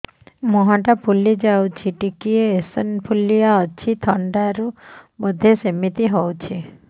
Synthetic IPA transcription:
mɔɦãʈapʰulid͡ʒawt͡ʃʰiʈikieːsɔnpʰulijaɔt͡ʃʰit̪ʰɔɳɖaɾubɔd̪ʱesemit̪iɦowt͡ʃʰi

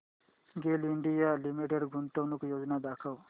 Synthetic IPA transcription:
ɡeliɳɖijaːlimiʈeɖɡunt̪ɐwnukujoːd͡ʒnad̪aːkʰɐw

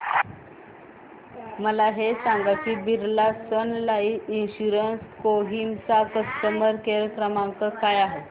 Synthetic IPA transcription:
məlaɦesaŋɡakiːbiɾlasənlaiːinɕuɾənskoɦimt͡sakəst̪əməɾkeɾəkɾəmaŋkəkajaɦet̪

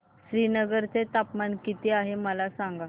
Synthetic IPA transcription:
ɕɾinəɡəɾt͡set̪apmankit̪iaɦeməlasaŋɡa

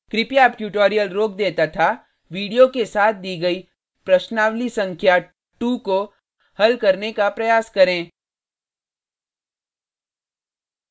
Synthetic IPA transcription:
kɾɪpijaːpʈjuːʈoːɾijəlɾoːk̚d̪eːt̪at̪ʰa | ʋiːɖijokesaːt̪̚ʰd̪iːɡɐiː | pɾɐʃnaːʋlisɐ̃ŋkʰja | ʈuko | hɐlkɐɾnekapɾɐjaːskɐɾẽː

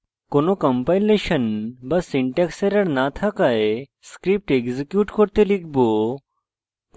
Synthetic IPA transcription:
konokɐmpajleʃənbɐsːiɳʈekseɾɐɽnat̪ʰakaje | skɾip̚ʈeɡzikjuːʈkoɾt̪elikʰbo

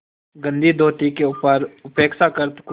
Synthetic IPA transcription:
ɡə̃nd̪id̪oːʈ̪ikeuːpəɾʊpeːksakəɾt̪k

